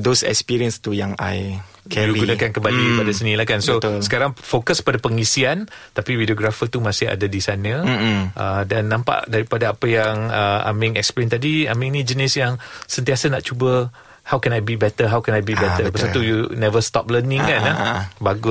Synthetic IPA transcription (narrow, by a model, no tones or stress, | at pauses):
dosɛ̰kspiɹiə̃nst̪ujaŋa̰j | kʰɛjuɡunakankəmbalipadasənĩlahkansot̪səkaɾaŋfokəskə̥padapəŋisiant̪apiwidioɡɾafət̪umãsɪɦa̰dadisanə̃ʔədanːãmpa̰ʔdaɾipadaːpəjaŋəa̰mɪ̃ŋɛk̚splent̪adia̰mĩnĩd͡ʒənɪsjaŋsənt̪iasanaʔt͡ʃubə | hawkɛnajbibɛt̪əɦawkɛnajbibɛt̪əpəsat̪ujunɛvəst̪ɔ̰p̚lənɪ̃ŋkanabaɡʊ